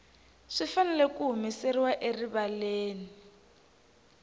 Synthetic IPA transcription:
ʂifanɛlɛkuɦumisɛriwaʔeriβaleːni

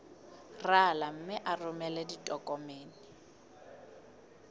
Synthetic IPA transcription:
ralam̩mɪʔarʊmɛlɛditʼɔkʼɔmeːnɪ

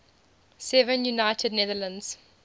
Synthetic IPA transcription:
sɛvə̃njunaɪtʰədnɛðələ̃ndz̥

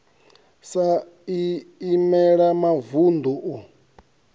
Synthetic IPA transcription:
sa | iimɛɺamavund̪uʔu

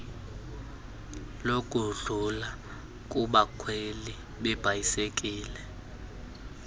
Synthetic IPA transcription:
lokʼuɮula | k̬ʼuɓakʰweli | ɓɛb̥ʱajisek̬ʼiːlɛ

